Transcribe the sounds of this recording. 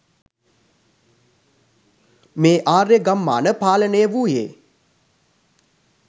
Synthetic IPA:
meːʔaːreɡamːa̰ːnəpaːlənejəʋujḛː

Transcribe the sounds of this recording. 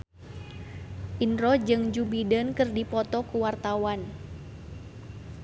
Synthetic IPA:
ʔinɾɔd͡ʒɨŋd͡ʒubidənkɨrdipɔt̪ɔkuwart̪awan

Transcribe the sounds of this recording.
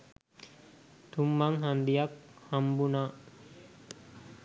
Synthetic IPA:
t̪umbaŋɦand̪ijakhambuna

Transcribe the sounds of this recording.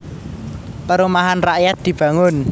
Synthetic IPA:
pəɾumaɦanraʔjat̪̚d̪̥i̤b̥ä̤ŋʊn

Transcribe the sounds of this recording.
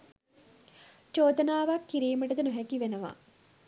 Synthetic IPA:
t͡ʃoːd̪ɐnaːʋakːiɾiːməʈɐd̪enuɦɛkiʋenɐʋa̰ː

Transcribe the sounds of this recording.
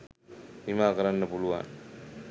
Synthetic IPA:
ʋimaːkəɾanːəpuluʋa̰n

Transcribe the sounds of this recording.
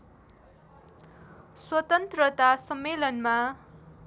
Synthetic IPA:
swʌt̪ʌnt̪rʌt̪asʌmːelʌnma

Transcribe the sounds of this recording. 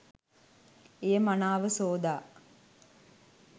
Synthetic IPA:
ejəmanaːʋəsoːd̪aː

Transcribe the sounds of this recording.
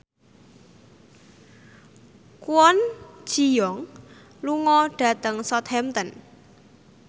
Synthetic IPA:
kuwɔn̥ʒ̥i̤jɔŋ | luŋɔɖ̥a̤t̪əŋsɔt̪̚hɛmt̪ən

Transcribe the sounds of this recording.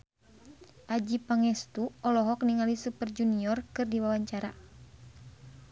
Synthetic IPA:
ʔad͡ʒipaŋɛst̪uɔlɔɦɔkniŋalisupərd͡ʒuniɔrkɨrdiwawaɲt͡ʃaɾa

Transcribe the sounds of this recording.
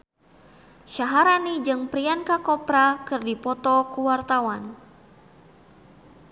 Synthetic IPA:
ʃaɦaɾanid͡ʒɨŋpɾiankakɔpɾakɨrdipɔt̪ɔkuwart̪awan

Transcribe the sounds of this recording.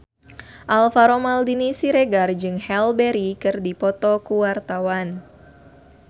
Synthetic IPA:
ʔalfaɾomaldinisiɾeɡard͡ʒɨŋhɛlbɛɾikɨrdipɔt̪ɔkuwart̪awan

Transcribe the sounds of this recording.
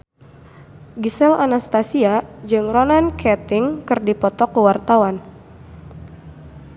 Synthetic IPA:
ɡisɛlanast̪asiad͡ʒɨŋronankʰɛt̪ɪŋkɨrdipɔt̪ɔkəwart̪awan

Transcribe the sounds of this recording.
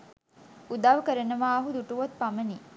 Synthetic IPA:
ud̪aːʋəkəɾenəʋaːɐɦud̪uʈuʋɐt̪̚paməni

